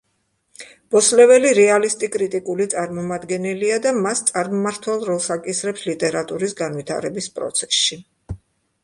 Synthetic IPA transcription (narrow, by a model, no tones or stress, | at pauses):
b̥ɔslɛvɛliɾɛalist̪ʼikʼɾit̪ʼikʼulit̪sʼaɾmɔmad̪ɡɛnɛliad̪amast̪sʼaɾmɔmaɾt̪ʰwɛlˠɾɔlˠsakʼisɾɛpslit̪ʼɛɾat̪ʼuɾisɡanwit̪ʰa̰ɾɛbispʼɾɔ̰t̪sʰɛ̥sʃi